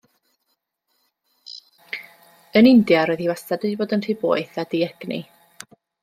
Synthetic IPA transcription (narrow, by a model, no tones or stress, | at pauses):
ənɪndjaɾoːɨðiwasadɨiboːdəntʰibo̰ːɨθadiɛɡ̥nḭ